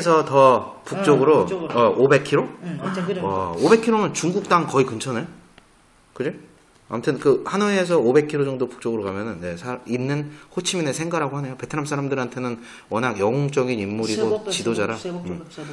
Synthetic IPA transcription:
esʰʌtʌpuk̚t͡ɕ͈ʌɡɯɾoʌobe̞kʰiɾo | ʌobe̞kʰiɾomɯnt͡ɕuŋɡuk̚t͈aŋkʌikɯnt͡ɕʰʌne | kɯd͡ʑi | a̰mtʰɯnkɯhanuːs̬ʰʌobe̞kʰiɾod͡ʑʌŋdopu̥k̚t͡ɕ͈ʌɡɯɾokamjʌnɯnje̞sʰainːɯnhot͡ɕʰiminesʰe̞ŋɡaɾaɡohane̞jope̞tʰɯnams͈ʰaɾamdɯɾɦantʰe̞nɯn | wʌnaɡjʌŋoŋt͡ɕ͈ʌɡinimːuɾiɡot͡ɕidod͡ʑaɾaɯm

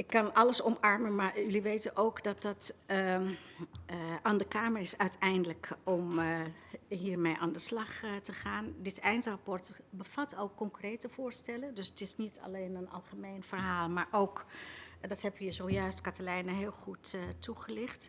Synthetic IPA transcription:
ɪkːɑnɑləsɔmɑɹmənmaːɹjʏliʋejtənʔowkdɑt̚dɑt | aːndəkaːməɹɪsœɥtɛjndələkɔm | ɦiːɹmejʔaːndəslɑχtəχaːndɪtɛjntrapɔɹtbəv̥ɑtolˠkːɔŋkrejtəv̥ʊːɹstɛləndɵsətɪsnitɑ̰lejnənɑ̰lˠχəmejnvəɹɦaːlˠmaːɹʔowkdɑtɦɛbəzowjœɥstkatəlɛjnəɦɪːlˠχuttːuχəlɪχt

